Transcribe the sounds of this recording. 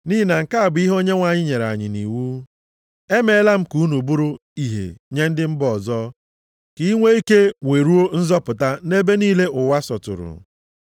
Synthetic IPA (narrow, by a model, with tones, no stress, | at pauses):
ni˦i˦na˨ŋ̩˨ka˦a˨bi˦ɦo˦ɲe˦ŋʷa˨ɲɪ˦ɲe˨ɾa̰˨ɲɪ̰˨nḭ˨wu˦ | e˦me˦la˦m̩˦ku˨˦nu˨bu˦ɾu˦i˦˨ɦḛ˨ɲe˦n̩˦dɪ˦m̩˦bɔ˨zɔ˦ | ki˨˦ŋʷe˦i˦ke˦ŋʷe˨ɾu˦o˦n̩˦zɔ˦pʊ˨ta˦ne˦be˦niː˦le˦ʊ˨wa˦sɔ˨tʊ̰˨ɾʊ̰˨